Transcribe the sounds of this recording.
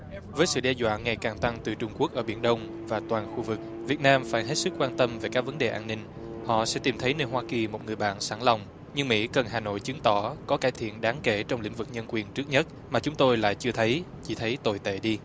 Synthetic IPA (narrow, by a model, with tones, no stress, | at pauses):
vəː˨˦jsɨ̰˧˨ɗɛ˧zwa̰ː˧˨nŋa˨˩jkaː˨˩ŋt̪a˧ŋt̪ɨ˨˩t͡ɕʊ˧ŋ͡mku˦˥ək̚ʔəː˧˩ɓi˧˩ənɗə˧wŋ͡m | vaː˨˩t̪waː˨˩nxu˧vɨ˨˩k̚ | vi˨˩ət̚naː˧mfaː˧˩jɦe˦˥t̚sɨ˦˥k̚kːwaː˧nt̪ə˧mve˨˩kaː˦˥k̚və˨˦nɗe˨˩ʔaː˧nnï˧ŋ̟ | hɔ̰˧˨sɛ̰˧˥t̪i˨˩mt̪ʰə˨˦jnəː˧jɦwaː˧ki˨˩mo˨˩t̚ŋɨ˨˩əjɓa̰ː˧˨nsaː˧˩ŋla˨˩wŋ͡m | ɲɨ˧ŋmḭ˧˥kə˨˩nɦaː˨˩no̰˧˨jt͡ɕɨ˨˦ŋt̪ɔ˧˩kɔ˨˦kaː˧˩jt̪ʰḭ˧˨ənɗaː˨˦ŋke˧˩t͡ɕɔ˧wŋ͡mlḭ˧˥ŋ̟vɨ˨˩k̚ɲə˧nkwi˨˩ənt͡ɕɨ˦˥k̚ɲə˦˥t̚ | maː˨˩t͡ɕʊ˨˦ŋ͡mt̪o˧jla̰ː˧˨jt͡ɕɨ˧ət̪ʰə˨˦jt͡ɕi˧˩t̪ʰə˨˦jt̪o˨˩jt̪ḛ˧˨ɗi˧